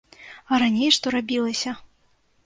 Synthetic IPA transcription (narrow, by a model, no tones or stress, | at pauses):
ɐɾanʲejʂt̪ɔɾabʲilˠɐsʲɐ